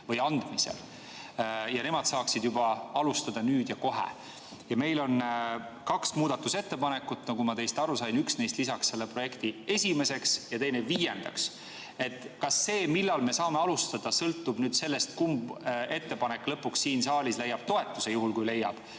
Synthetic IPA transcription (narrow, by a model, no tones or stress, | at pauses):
vɤjɑnd̪̥misḛl | jɑne̞mɑd̪̥sɑːksid̪̥jubɑɑlust̪ɑd̪̥ɑnyːd̪̥jɑko̞ɦḛ | jɑme̞jlo̞nkɑksmuːd̪̥ɑt̪ːuse̞t̪ːe̞pɑne̞kːut̪ːˑnɑɡumɑt̪e̞jst̪ɑɾusɑjnyksnejst̪lisɑksse̞lːe̞pro̞je̞kt̪ie̞sʲime̞se̞ksjɑt̪e̞jne̞viːjend̪̥ɑ̰ks | e̞t̪ːˑkɑsːe̞ːmilːɑlme̞sɑːme̞ɑlust̪ɑd̪̥ɑsɤlt̪ːˑub̥nyːd̪̥se̞lːe̞st̪̚kumbe̞t̪ːe̞pɑnekːlɤpːuksːiːnsɑːlʲislejːɑb̥̚t̪o̞e̞t̪ːˑuse̞juɦulkujle̞jːɑ̰b̥